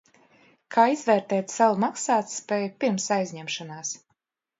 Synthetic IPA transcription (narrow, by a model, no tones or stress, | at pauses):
kʰaːizvɛːɾt̪ɛːt̪sawmaksaːt̪spʲɛːjupʲiɾmsajzʲɲɛmʃɔnaːs